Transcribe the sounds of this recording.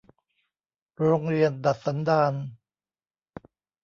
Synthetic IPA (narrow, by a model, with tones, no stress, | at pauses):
ɾoː˧ŋɾi˧ənda˨˩t̪̚sa˩˦ndaː˧n